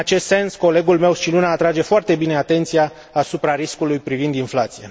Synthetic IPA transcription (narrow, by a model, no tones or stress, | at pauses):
at͡ʃe̞st̪se̞nsko̞le̞ɡulme̞wst͡ʃilunaːt̪ɾad͡ʒe̞foart̪e̞bine̞at̪e̞nt̪sijaː | supɾaɾiskulujpɾivind̪inflat̪sije